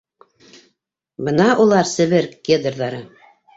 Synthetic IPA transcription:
bɤnɑʔulˠɑɾsɘ̆βɘɾɡʲed̪rðɑɾɤ

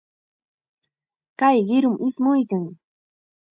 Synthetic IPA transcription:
kajɢɪɾʊmʔɪsmʊjkaŋ

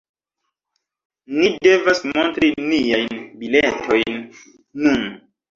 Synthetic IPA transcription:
nidevasmontɾinijajnbiletʰo̞jnː | un

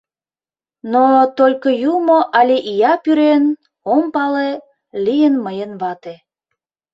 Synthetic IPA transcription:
not̪olʲkojumoʔɑlʲiʔijɑpyɾen | ompɑle | lijənməjənβɑt̪e

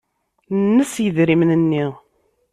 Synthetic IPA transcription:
nːəsjəðɾimnənːiʁ

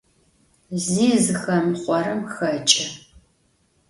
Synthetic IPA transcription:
ziːzɨxɐmχʷɔɾɨmxɐt͡ʃʼɐ

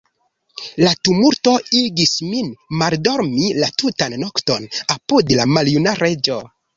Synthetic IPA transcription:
latumulto̞iɡisminmaldo̞ɾmilatutanːokto̞napudlamaljunaɾe̞d͡ʒo̞

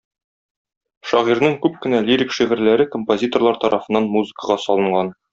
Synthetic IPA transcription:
ʃɒʁiɾnɤŋkʉp̚kɘ̆nælʲiɾʲikʃiʁɘ̆ɾlæɾɘkompozʲit̪o̞rlˠɑɾt̪ɒɾʔɑfɤ̆nːɑnmuzɨ̆kəʁɑsɒlˠɤ̆ɴɢɑn

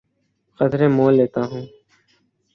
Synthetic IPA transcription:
xət̪ɾẽːmoːlːeːt̪aːɦũː

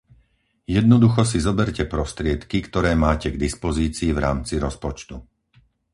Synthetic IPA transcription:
jɛd̪̚nɔd̪uxɔs̬izɔbɛɾcɛpɾɔst̪ɾɪɛt̪kikt̪ɔɾɛːmaːcɛɡd̪ispɔziːt͡siːvɾaːmt͡siɾɔspɔt͡ʃt̪u

